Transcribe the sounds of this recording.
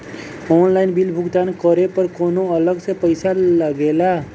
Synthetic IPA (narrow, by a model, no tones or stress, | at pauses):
onlajnbilbʱuɡd̪ankʌɾepəɾkonoʌləɡsẽpəjsaləɡela